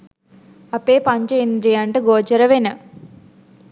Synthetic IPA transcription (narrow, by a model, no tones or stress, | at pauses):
ɐpeːpɐɲt͡ʃɐind̪ɾijɐɳʈɨɡoːt͡ʃɐɾɐʋenɐ